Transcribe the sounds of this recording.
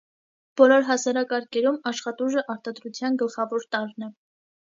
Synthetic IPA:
b̥ɔlɔɾɦɑsɑɾɑkɑɾkʰɛɾumɑʃχɑt̪uʒəʔɑɾt̪ɑd̪ɾut͡sʰjɑnɡəlχɑvɔɾt̪ɑɾnɛ

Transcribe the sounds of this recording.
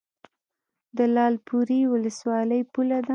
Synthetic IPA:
d̪əlɑlpuɾiwʊləswɑləjpulad̪a

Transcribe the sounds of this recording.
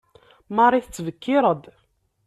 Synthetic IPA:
marˤːiθət͡sːvəkːɪɾəd̪

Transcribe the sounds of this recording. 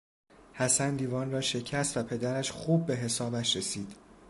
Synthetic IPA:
hæsænd̪iːvɒːnrɒːʃe̞cʰæst̪væpʰe̞d̪æɾæʃxuːbːe̞ɦe̞sɒːbæʃɾe̞siːd̪̥

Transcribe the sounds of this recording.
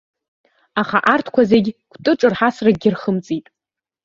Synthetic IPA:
aχaʔartʰkʷʰazeɡʲkʷʰtʼɨʈ͡ʂʼɨrħasraɡʲɪrχəmt͡sʼitʼ

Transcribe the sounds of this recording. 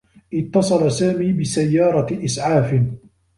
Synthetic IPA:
ʔɪt̪ːɑsˤɑlasaːmiːbɪsajːɑːɾˤɑʔɪsʕaːfɪn

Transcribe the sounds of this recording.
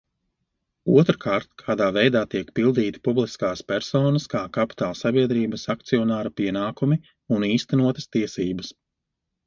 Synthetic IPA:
ut̪ɾkʰaːɾt̪̚kʰaːd̪aːvɛjd̪aːt̪iɛkpilˠd̪iːt̪i̥publˠiskaːspʲɛɾsoːnɐskaːkapi̥t̪aːlˠsabiɛd̪ɾiːbəsak̚t̪siɔnaːɾapiɛnaːkumi | uniːst̪ɛnuɔt̪ɐ̥st̪iɛsiːbɐs

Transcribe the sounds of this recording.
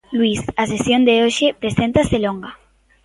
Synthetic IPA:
lwisasesjond̪eoʃepɾesẽnt̪aseloŋɡa

